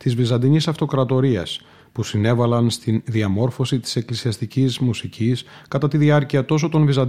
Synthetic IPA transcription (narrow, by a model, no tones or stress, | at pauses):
t̪izvizɐnd̪iɲisɐft̪o̞kɾɐt̪o̞ɾiɐ̰s | pusine̞vɐlɐnst̪inðiɐmo̞ɾfo̞sit̪i̥se̞klisiɐst̪icizmusicʰiskɐt̪ɐt̪iðiɐɾciɐt̪o̞so̞t̪o̞nvizɐ